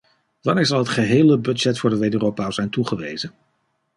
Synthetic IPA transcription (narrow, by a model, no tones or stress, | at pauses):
ʋɑnɪːɹzɑlˠɦətχəɦejləbɵd͡ʒɛtfʊːɹdəʋejdørowpaz̥ɛjntuχəʋḛjzən